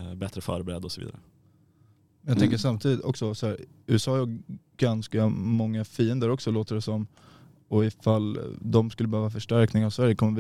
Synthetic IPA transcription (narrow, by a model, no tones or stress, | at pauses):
bɛt̪ɾəfœ̰ːɾbɛɾɛd̪ɔsɔvḭːd̪a̰ɾə | mɛnjɑt̪ɛŋkəʂamːt̪ʰiːd̪ɪt̪ɔ̰ksɔsɔhæːɾ | ʉ̟̰ːɛsɑːjɔ | ɡ̥anskamɔŋːafiːənd̪əɾɔksɔloːt̪əɖɛsɔm | ɔɪfald̪ɔmskɵlːəbəhøːvafœʂʈæɾknɪŋavsvæɾjəkʰɔmːəv